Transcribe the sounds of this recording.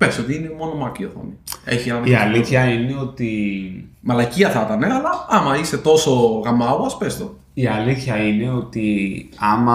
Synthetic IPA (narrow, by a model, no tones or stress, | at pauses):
pesot̪iinemo̞nomɐkioθo̰nie̞çienɐneiɐliθçɐine̞ot̪i | mɐlɐciɐθɐt̪ɐne̞ɐlɐɐmɐise̞t̪o̞so̞ɣɐmɐoɐspest̪o | iɐliθçɐine̞ot̪iɐmɐ